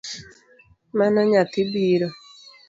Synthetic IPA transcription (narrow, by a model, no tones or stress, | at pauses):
manaɲat̪ibiɾo